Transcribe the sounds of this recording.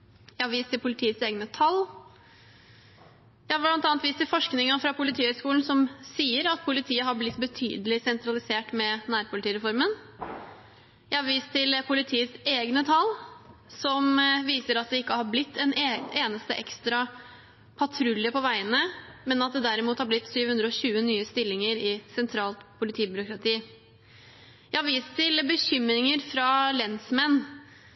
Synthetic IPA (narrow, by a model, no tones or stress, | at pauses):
jæɪhɑɾʋiːst̪ʰːɪlpʊlɪt̪ʰiːət̪seːɡnət̪ʰɑl | jæhɑbɭɑnt̪ɑːnt̪ʋiːst̪ʰːɪlfɔʂknɪŋɑfɾɑpʰʊlɪt̪ʰiːhœskuːln̩sɔmsiːəɾɑt̪̚pʰʊlɪt̪ʰiːəɦɑɾblɪt̪ːbət̪ʰy̰ːd̪əlɪsɛnt̪ʰɾɑlɪseːʈmɛnæːɾpʊlɪt̪iːɾɛfɔɾmən | jæɪhɑɾʋiːst̪ʰːɪlpʰʊlɪt̪ʰiːəseːɡnət̪ʰɑlsɔmʋiːsəɾɑt̪̚d̪ɛɪkːəhɑɾblɪt̪ʰːɛneːnəst̪əʔɛkst̪ɾɑ | pʰɑt̪ʰɾʉlɪəpɔʋæɪənəmɛnɑt̪̚d̪ɛd̪æɾɪmuːt̪hɑɾblɪt̪ːsyːʋhʉnd̪ɾəɔɕʉːənyːəst̪ɪlːɪŋəɾɪsɛnt̪ʰɾɑːlt̪pʰʊlɪt̪ʰiːbʏɾʊkɾɑt̪ʰiː | jæɪhɑɾʋiːst̪ʰːɪlbəçʏmɾɪŋəɾfɾɑlɛnsmɛnː